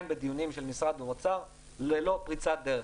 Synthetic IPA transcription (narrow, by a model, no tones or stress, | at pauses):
mbed̪ijunimʃelmisʁad̪bemot͡saʁ | lelo̞pʁit͡sad̪eʁe